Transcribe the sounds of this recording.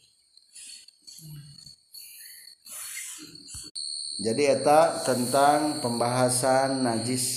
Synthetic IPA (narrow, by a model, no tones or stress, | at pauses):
d͡ʒadiɛt̪at̪ənt̪aŋpəmbaɦasanːad͡ʒɪs